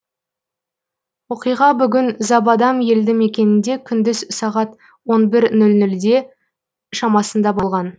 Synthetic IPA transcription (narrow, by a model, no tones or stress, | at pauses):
wo̞qijʁɑbʏɡʲɪnzɑbɑd̪ɑmje̞ld̪ɪŋe̞kʲe̞nɪnd̪e̞kʲʰʏnd̪ɪzsɑʁɑt̪ | wo̞nbɪɾnɵlnʏld̪e̞ | ʃɑmɑsənd̪ɑbɑlˠʁɑn